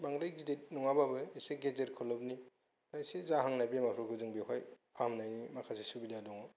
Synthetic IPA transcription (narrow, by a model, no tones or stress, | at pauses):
baŋɾajɡidet̚nɔŋababɯeseɡed͡ʒeɾkʰɔlɔp̚ni | pajsezaɦaŋnajbemakʰɾɔkʰɯzɯŋbekʰajpʰamnajnimakʰasesubidadɔŋɔ